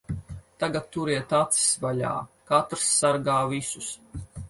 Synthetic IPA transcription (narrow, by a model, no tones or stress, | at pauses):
t̪aɡat̪ːuɾiɛt̪at̪si̥svaʎʲa̰ːkat̪ɾsːaɾɡaːvisus